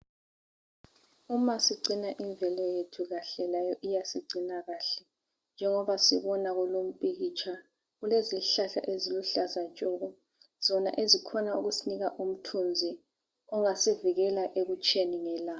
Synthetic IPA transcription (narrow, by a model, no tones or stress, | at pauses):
umasiɡ͡ǀʱinaʔiɱbvʱɛlɔjetʰuɣaɬɛlajɔʔijasiɡ͡ǀʱinaɣaɬɛ | nd͡ʒʱɛŋɔβasiβɔnaɣulom̩pʼiɣit͡ʃʰa | ɣuleziɬaɬa̰ʔeziluɬazat͡ʃʼɔɣɔ | z̥ɔna̰ʔezikʰɔnauɣusiniɣaʔum̩tʰund͡zʱi | ɔŋasiviɣɛlaʔeɣut͡ʃʼʰeniŋɛlaː